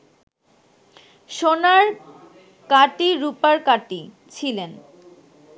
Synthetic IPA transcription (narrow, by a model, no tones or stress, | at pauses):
ʃonaɾ | kaʈiɾupaɾkaʈi | t͡ɕʰilen